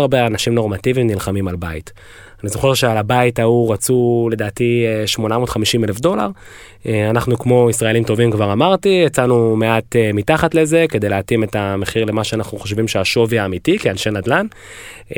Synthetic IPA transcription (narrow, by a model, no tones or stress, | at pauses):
aʁbeanaʃimnoʁmativimnilχamimalbait | anizo̞χe̞ʁʃealabaitauʁat͡sule̞daːtieʃmo̞namotχamiʃimelefdo̞la̰ʁ | eanaχnukmo̞isʁae̞limto̞vimkvaʁamaʁtiet͡sanume̞atemitaχatle̞ze̞ke̞dejleatime̞tame̞χiʁle̞maʃeanaχnuχo̞ʃ̬vimʃeaʃo̞viaːmitikianʃenadlan